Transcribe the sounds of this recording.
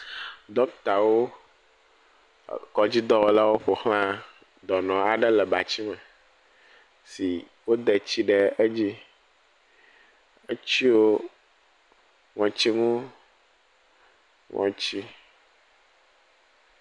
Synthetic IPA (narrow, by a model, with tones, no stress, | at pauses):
d̪ɔ˦t̪a˨wo˦ | kɔ˨d͡ʑi˦d̪ɔ˦wo˦la˦wo˦ɸo˨xl̃ã˦ | d̪ɔ˨nɔ̃˨a˨ɖɛ˦lɛ˨ba˨t͡ɕi˦mɛ˨ | si˨ | wo˦d̪ɛ˨t͡ɕi˦ɖɛ˨e˦d͡ʑi˦ | e˦t͡ɕi˦wo˦ | ŋɔ̃˨t͡ɕi˦ŋũ˦ | ŋʔɔ̰̃˨t͡ɕi˦